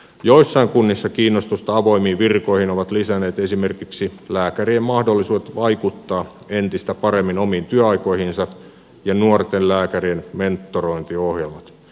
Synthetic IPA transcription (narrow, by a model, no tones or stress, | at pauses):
joisːɑiŋkunːisːɑkiːnːost̪ust̪ɑɑʋo̞imiːʋirkoihinoʋɑt̪lisæneːt̪esimerkiksilæːkæriemmɑhdolːisuːdet̪ʋɑikut̪ːɑː | ent̪ist̪æpɑɾemːinomiːnt̪yæɑiko̞ihinsɑ | jɑnuort̪ellæːkærienme̞nt̪ːoroint̪iohjelmɑt̪